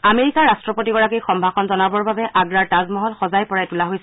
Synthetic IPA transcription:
ameɹikaɹastɹɔpotiɡɔɹakixɔmbʱakʰɔnzɔnabɔɹbabɛʔaɡɹaɹtazmɔɦɔlxɔzajpɔɹajtulaɦojsɛ

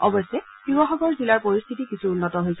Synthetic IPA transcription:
ɔ̰bɔsɛ | pubɔxɔkɔɹzilaɹpoɹist̪ʰitikisuːnːɔtɔɦojsɛ

